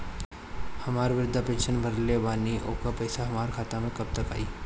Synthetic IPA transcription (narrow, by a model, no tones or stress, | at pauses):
hɐmaːɾʋɪɾʊd̪ʱːapẽːnʃənbʱɐɾlebaːniʔoːkapɐɪsaɦɐmaːɾkʰaːt̪amẽkɐb̚t̪əka̰ːiː